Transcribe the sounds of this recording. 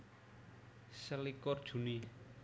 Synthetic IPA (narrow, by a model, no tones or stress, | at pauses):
səlikɔrd̥ʒ̥ṳni